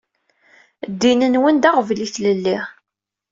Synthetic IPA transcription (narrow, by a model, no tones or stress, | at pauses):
d̪ːinənwənd̪aʁvliθləlːiʁ